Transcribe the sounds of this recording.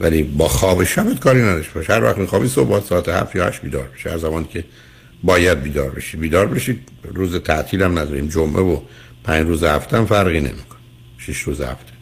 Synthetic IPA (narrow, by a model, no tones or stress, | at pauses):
vælibɒːxɒːbeʃæbed̪̥kʰɒːɾinæd̪ɒʃt̪eɒʃhæɾvæ̰xt̪miːxɒːbiːso̰hbɒːt̪sɒːæt̪ehæ̰ft̪jɒːhæ̰ʃt̪biːd̪ɒ̰ːɾbe̥ʃeæzæmɒːniːcʲʰe | bɒːjæd̪̚biːd̪ɒ̰ːɾbḛʃiːd̪biːd̪ɒːɾbeʃiːd̪ | ruːzet̪ʰæʔt̪ʰiːlæmnæd̪ɒːɾḭːmd͡ʒomʔevo | pʰæɲd͡ʒruːzehæft̪ʰæmfæɾɣiːne̞̰miːkʰo̥ni | ʃiʃɾuːzḛhæ̰ft̪ʰe̥